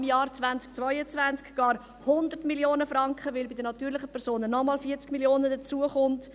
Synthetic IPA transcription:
mjɑːɾt͡svænt͡sk̚t͡svœɪət͡svænt͡skɡ̥ɑːɾ | hʊndəɾtmiljoːnəfɾɑŋkχəʋɪlbidənɑtyːɾlɪχəpʰɛɾsoːnənɔmɑːlfiːt͡skmiljoːnədət͡suəχʊnt

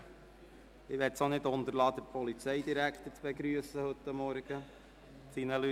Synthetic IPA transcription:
ɪʋɛtsonɪt̪ʊnt̪əɾlɑːd̪əɾpʰɔlit͡sɛɪd̪iɾækt̪ət͡sb̥ɛɡɾyəsəhɵt̪ːɑmːɔɾɡ̥ə | t͡sinəly

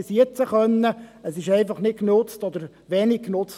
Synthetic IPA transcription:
siət͡səχœnːəəsɪʃɛɪfɑχnɪt̚knʊt͡stɔd̪əɾ | ʋenikknʊt͡s

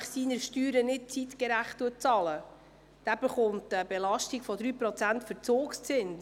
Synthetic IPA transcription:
χsiːnəɾʃtyːɾənɪt̚t͡sitkəɾæχtːuət̚t͡sɑːlə | d̥æːb̥əχʊmtəbelɑʃtiɡ̥fɔd̪ɾyːpɾɔt͡sæntfəɾt͡soːkst͡sɪns

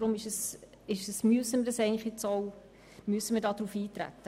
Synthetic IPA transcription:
ɾʊmɪʃəs | ɪʃəsmyəsəməɾdəsɛɪɡənlɪχjet͡sɔw | myəsːəməɾdɑːd̥̪ɾuːfiːtɾæ̰t̪ːə

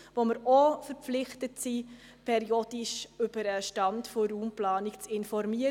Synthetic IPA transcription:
ʋoməɾofəɾp͡flɪχtətsiː | pʰɛɾiod̥iʃʏb̥əɾəʃtɑntfoɾuːmplɑːnikt͡sɪnfɔɾmiə

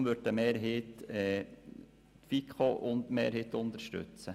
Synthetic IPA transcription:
mʋøɾdəmeːɾɦeːtɛ | t̪fikχoʔʊnt̪meːɾheːt̪ʊnt̪əɾʃtʉ̰t͡sə

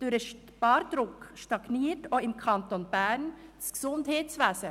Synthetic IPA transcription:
d̥ʉɾəʃ | b̥ɑːɾd̪ɾʊkʃtɑɡ̥niːtoɪmkʰɑnt̪onbænsɡ̥sʊnd̪heːt̪sʋæːsə

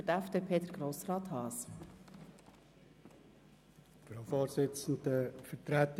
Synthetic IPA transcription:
ətæfd̥̪epʰeːd̪əɾɡ̥ɾoːsrɑːt̪hɑːs | fɾoʊfɔːɾsɪt͡sn̩dəfətɾæt̪

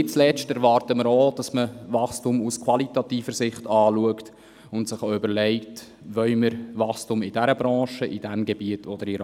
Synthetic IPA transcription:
ɪt͡slɛt͡ʃtɛɾvɑːrtəməɾod̥ɑsməvɑχstumuskʰwɑlitɑtiːfəɾsɪχtɑːluəkt | ʊntsɪχoʏbəɾlɛɪkt | ʋœʏməɾvɑχstumɪdæɾəbɾɑ̃ːʃəʔid̥æmɡebiətʰod̥̪əɾiɾ

